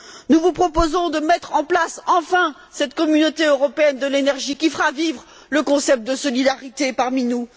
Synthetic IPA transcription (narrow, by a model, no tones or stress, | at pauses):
nuvupχɔpozɔ̃d̪əmɛt̪χɑ̃plasɑ̃fɛ̃ | sɛt̪kɔmynot̪eøʁɔpeɛnd̪əlenɛʁʒikʲifəʁavivʁ | ləkɔ̃sɛp̚t̪̚d̪əsɔlid̪aʁit̪epaʁminu